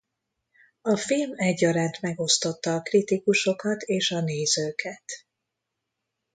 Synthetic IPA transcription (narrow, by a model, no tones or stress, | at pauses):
ɒfilmɛɟːɒɾaːnt̪mɛɡo̞st̪o̞t̪ːɒːkrit̪ikuʃo̞kɒt̪eːʃɒneːzøːkʰɛt̪